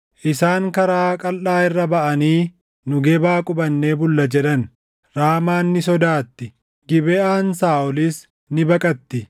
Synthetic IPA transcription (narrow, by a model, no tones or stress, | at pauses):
ʔɪsaːŋkɐɾaːkʼɐlːaːɪrːɐbɐʔɐniː | nʊɡeːbaːkʼʊbɐnːe̞ːbʊlːɐd͡ʒɛᶑɐn | ɾaːmaːnːɪsɔd̪aːt̪ːɪ | ɡɪbɛaːnsaːɔlis | nɪbɐkʼɐt̪ːɪ